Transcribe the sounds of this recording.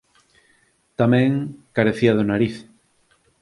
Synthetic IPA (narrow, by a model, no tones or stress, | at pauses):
t̪amẽŋkaɾeθiaðonaɾiθ